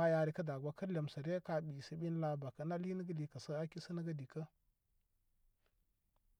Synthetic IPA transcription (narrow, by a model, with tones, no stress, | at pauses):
a˦ja˨ɾi˨kə˦da˨ɡʷa˨kə˦ɾle˨m˨sa˨ɾe˦ka˨ɓi˨sə˦ɓi˦n˦la˨ba˨ka˦na˦li˦nə˦ɡa˦di˨ka˨sə˦a˦ki˦sə˦nə˦ɡa˦di˨kə˦